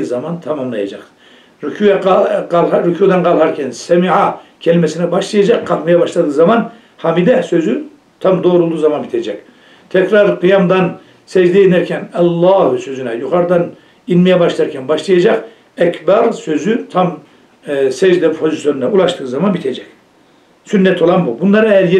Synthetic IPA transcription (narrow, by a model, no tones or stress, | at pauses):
zamant̪ʰamamlˠajad͡ʒaq | ɾykʰujɛlˠɾukʰud̪anqalˠɦaɾcʰɛnsɛmiʕacʰɛlʲimɛsinɛbaʃlˠajad͡ʒaqqʰːapmajabaʃlˠad̪ɯːzaman | hamid̪ɛsø̞zy | t̪ʰamd̪oːɾolˠd̪uːzamanbit̪ʰed͡ʒɛc | t̪ʰɛkɾaɾqɯjamd̪an | sɛd͡ʒd̪ɛjenæɾcʰɛnɛlˠːaːhusø̞zynɛjuxaɾd̪an | inmɛjɛbaʃlˠaaɾcʲʰɛnbaʃlˠajad͡ʒaq | ɛkbaɾsø̞zyt̪ʰam | sɛd͡ʒd̪ɛpʰo̞zisjo̞ninɛulˠaʃt̪ʰɯːzamanbit̪ʰed͡ʒɛc | synːɛt̪ʰo̞lˠanbubunlˠaɾaɛjæɾje